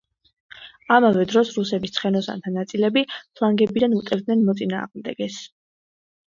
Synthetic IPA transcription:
amavɛd̪ɾɔsɾusɛbist̪sʰχɛnɔsa̰nt̪ʰanat̪sʼilɛbipʰlˠaŋɡɛbid̪anut̪ʼɛvd̪nɛnmɔt̪sʼina̰ːʁmd̪ɛ̰ɡɛs

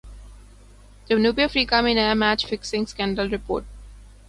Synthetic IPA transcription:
d̪̥ənuːpiəfɾiːkʌ̃mĩnɛəmæt͡ʃfɪksɪ̃ŋskæ̃ɳɖəlɾɪpo̰ːʈ̚

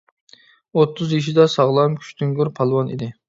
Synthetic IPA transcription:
ot̪ʰːʊzjiʃ̬id̪ɛsɑʁlˠɑmkʲʰy̥ʃt̪ʰyŋɡyɾpʰɑlˠwɑnḭd̪ɪ

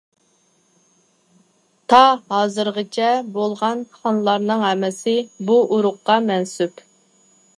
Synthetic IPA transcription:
t̪ʰɑhɑːzɨɾʁət͡ʃʰɛbolˠʁɑnχɑnlˠɑɾnɨŋɦɛmɪsɪbuʔuɾʊqːɑmɛnsyp

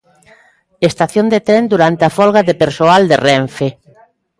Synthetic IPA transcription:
est̪aθjond̪et̪ɾɛnd̪uɾant̪eafɔlɣaðepeɾsoald̪erɛɱfe

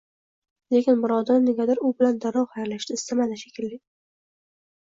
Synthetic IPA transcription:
lekʲɪnmɪɾɒd̪aɾɪneɡʲad̪aɾʊbɪland̪aɾɒwhajaɾlaʃd̪ɪɪst̪ʰamanaʃḁkʲɪlːɪ

